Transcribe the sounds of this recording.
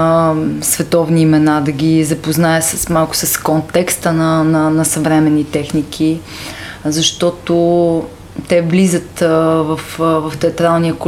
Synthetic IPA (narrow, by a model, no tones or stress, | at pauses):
svɛt̪ɔvniːmɛnad̪ɐɡʲizɐpoznaɛsəsmalˠkʊ̥sɐskont̪ɛkst̪ənənɐnɐsɐvɾɛmɛnːit̪ɛxnikʰi | zɐʃt̪ɔt̪o | t̪ɛvlizət̪vɐfvɐft̪ɛɐt̪ɾalˠnijək